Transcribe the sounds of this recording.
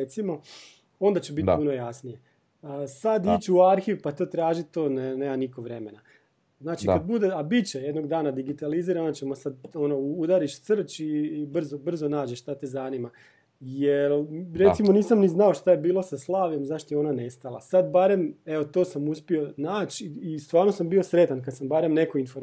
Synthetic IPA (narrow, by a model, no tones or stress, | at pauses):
et̪simo̞ | o̞nd̪at͡ɕebit̪ppuno̞jasnije | sad̪iːt͡ʃuaɾxiʋpat̪oːt̪ɾaːʒit̪oːneneːmaniko̞ʋɾe̞mena | znaːt͡ʃikad̪̚bud̪e̞abit͡ɕejed̪noɡd̪aːnad̪iɡit̪aliziːɾanat͡ɕemosad̪o̞no̞ud̪aɾiʃt̪sr̩t͡ɕibr̩zobr̩zonaːd͡ʑeʃt̪at̪ezanima | jelɾeimo̞niːsamniznao̞ʃt̪ajebiːlˠo̞saslˠaːʋje̞mzaʃt̪ojeo̞nane̞st̪alˠa̰sad̪̚baɾe̞me̞ʋot̪o̞ːsamuspio̞naːt͡ɕist̪ʋaːɾnosambio̞sɾe̞t̪ankad̪sambaɾemne̞koinfoɾ